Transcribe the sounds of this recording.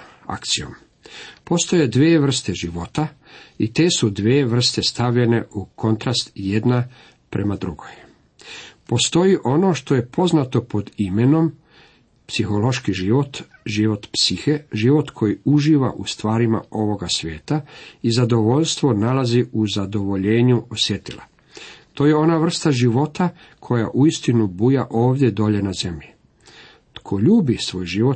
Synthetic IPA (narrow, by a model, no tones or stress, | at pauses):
a̰kt̪sio̞̰m | po̞st̪o̞je̞d̪ʋeːʋr̩st̪e̞ʒiʋo̞t̪a | it̪e̞ːsud̪ʋeːʋr̩st̪e̞st̪aʋʎene̞uko̞nt̪ɾast̪je̞d̪na | pɾe̞mad̪ɾuɡo̞j | po̞st̪o̞jiʔo̞no̞ʃt̪o̞je̞pʰo̞znat̪o̞po̞d̪ime̞no̞m | psixo̞lo̞ʃkiʒiʋo̞t̪ʒiʋo̞t̪psixeʒiʋo̞t̪kʰo̞jiuʒiːʋa̰ʔust̪ʋaːɾima̰o̞ʋo̞ɡasʋʲje̞ːt̪aizad̪o̞ʋo̞ʎst̪ʋo̞nalaziuzad̪o̞ʋo̞ʎeːɲuosje̞t̪ila̰ | t̪o̞ːjeo̞naʋr̩st̪aʒiʋo̞t̪a | kʰo̞jaʔuist̪inubujaʔo̞ːʋd̪je̞d̪o̞ːʎe̞naze̞mʎi | t̪kʰo̞ʎuːbisʋo̞ːjʒiʋo